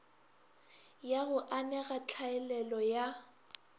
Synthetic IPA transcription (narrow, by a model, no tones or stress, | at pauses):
jaɣʊʔanɛɣat͡ɬʰaɛlɛlɔja